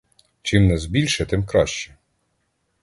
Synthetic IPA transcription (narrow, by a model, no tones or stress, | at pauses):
t͡ʃɪmnɛzbʲilʲʃɛt̪ɪmkɾɑ̰ʃt͡ʃɛ̥